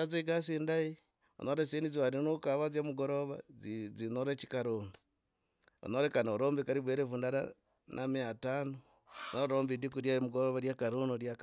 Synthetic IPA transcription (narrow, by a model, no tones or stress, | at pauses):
aziɡasiːndaji | o̰noɾesiːndiziwaɾinukaβazjamuɡo̞ɾoβa̰zinoɾeci̥kaɾuːnu | o̰noɾekanoɾoːmbikaɾiβweːɾevundaɾa̰ | nʔamiatano | noɾoɾoːmbidikuɾjamuɡoɾoβaɾjakaɾuːnuɾjak